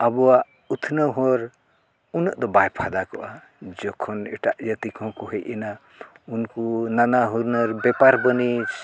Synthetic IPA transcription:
abɔwa | ut̪ʰnaɦoɾ | unəʔd̪ɔbajpʰad̪akɔʔa | d͡ʒɔkʰːɔnḛʈaʔjʌt̪ikʰɔ̃kuɦejʔena | unkunanaɦuɾnʌɾbepaɾbənit͡ʃʰ

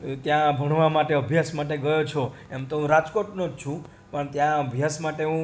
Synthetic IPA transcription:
t̪jãbʱəɽʋamaʈeəbʱjasmaʈ̬eɡəjot͡ʃʰo | emt̪oɦũɾad͡ʒkoʈnod͡ʒt͡ʃʰũ | pəɳt̪jãəbʱjasmaʈeɦũ

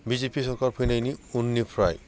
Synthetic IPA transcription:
bizepisɔɹkaɹpʰinaniunːipʰɹaj

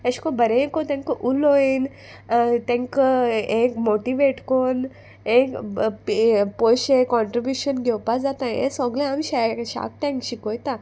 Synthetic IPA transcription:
eɕkõbəɾẽkõt̪ɛ̃ŋkəʔuloin | t̪ẽŋkẽkmoʈiʋeʈkon | ẽkppojɕẽkːɔɳʈɾibjuɕənɡʱewpad͡zat̪ãḛ̃sɔɡlẽamiɕaɕa̰k̚t̪ẽŋkɕikojt̪a

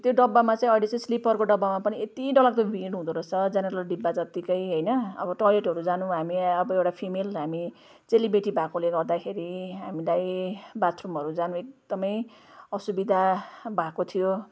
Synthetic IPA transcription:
t̪joɖʌbːamat͡sãĩʌilet͡saĩslipʌrkoɖʌbamapʌniet̪iɖʌlak̚t̪obʱiɖɦũd̪uɾʌt͡sʰʌd͡zʌneɾʌlɖibːad͡zʌt̪ikʌjɦʌjnʌʌ̰bʌʈʌleʈɦʌɾud͡zanũɦamiʌbʌewʈapʰimelɦami | t͡selibeʈibʱakoleɡʌrd̪akʰeɾiɦamilajbat̪rumɦʌɾud͡zanũekd̪̥ʌmʌj | ʌsubid̪ʱabʱakot̪ʰijo

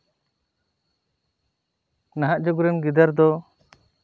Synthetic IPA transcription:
naɦaʔd͡ʒɔɡuɾɛnɡid̪aɾd̪ɔ

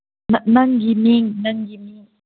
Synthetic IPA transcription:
nanaŋɡimiŋnaŋɡimiŋ

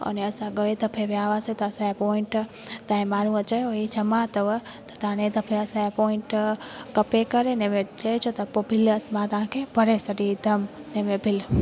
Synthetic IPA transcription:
ə̰neəsãɡəʋet̪əpʰeʋjaʋaset̪asajepoiɳʈt̪ãẽmaɽũə̃t͡ʃəjoid͡ʒəmãt̪əʋət̪ot̪ãnẽt̪əpʰeəsajapoiɳʈkəpekəɾenemed͡ʒəet͡ʃʰot̪apobʱiləsmãt̪ãːkebʱəɾesəɾid̪əmnemẽbʱil

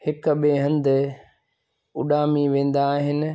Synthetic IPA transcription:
hɪkʊɓeɦɐ̃nd̪ɪ̆ | ʊɗaːmiʋẽːn̆d̪aːɦɪnɪ̆

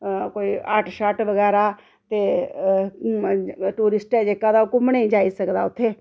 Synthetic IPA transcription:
koːiːəʈʰʃaʈʋəɡɛːɾaː | t̪eː | ʈuːɾɪsʈɛːd͡ʒeːkãd̪aːʊkʊmneĩd͡ʒaːisəkd̪aːʊt̪ʰːeː

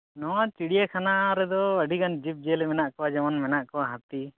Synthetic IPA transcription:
nɔwat͡ʃiɽijəkʰanaɾɛd̪ɔəɖʱiɡand͡ʒip̚d͡ʒɛlɛmɛnaʔkɔwad͡ʒamanmɛnaʔkɔwaɦat̪i

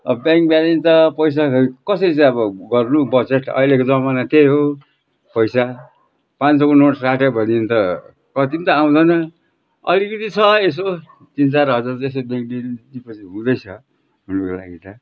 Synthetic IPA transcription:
ʌʌbjãŋk̚bjalint̪ʌpʌjs̬akʌsʌɾiʌbʌɡʌrnubʌd͡zeʈʌ̰ɦilekod͡zʌmanat̪eɦo | pʌjsa | pãnt͡sʌkonoʈsaʈʌbʱʌnint̪ʌ | kʌt̪int̪ʌaw̃d̪ʌnʌ | ʌ̰likʌt̪it͡sʰʌes̬o | t̪int͡saɾɦʌd͡zaresobjãŋk̚did̪ipʌt͡sʰiɦũd̪ʌjt͡sʰʌ | ɦunoko̰la̰ɡit̪ʌ

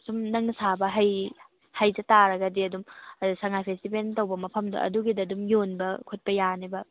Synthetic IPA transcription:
sumnɐŋnɐsabɐɦɐj | hajdɐtaɾɐɡɐdiɐdumsɐŋajpʰestipentɐwbɐmɐpʰɐmdɐ̰ɐ̰duɡidɐdumjonbɐkʰot̚pɐjanibɐ

